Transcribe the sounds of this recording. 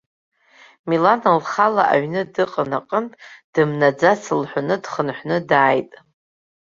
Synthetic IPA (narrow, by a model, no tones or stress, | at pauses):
milanalχalaʔa̰ɥnɨdɨqʼənaqʼəmtʼd̥ɨmnad͡zasɨlħʷᶣanɨdχənħʷnɨdaːjtʼ